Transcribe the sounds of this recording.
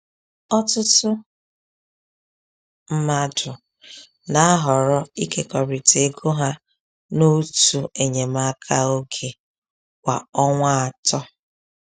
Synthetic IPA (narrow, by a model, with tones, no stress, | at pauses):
ɔ˦tʊ˦tʊ˦ | m̩˦ma˦dʊ˨ | na˨a˦ɦɔ˨ɾɔ˦i˦ke˨kɔ˨ɾi˨te˨˦ɡo˦ɦa˦ | no˦tu˨e˨ɲe˨ma˦kʰa˦o˦ɡe˨ | kʷa˨ɔ˦ŋʷa˦a˨tɔ˦